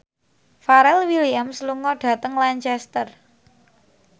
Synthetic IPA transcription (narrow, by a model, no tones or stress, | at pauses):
faɾɛlwiliamsluŋɔɖ̥a̤t̪əŋlaɲt͡ʃɛst̪ər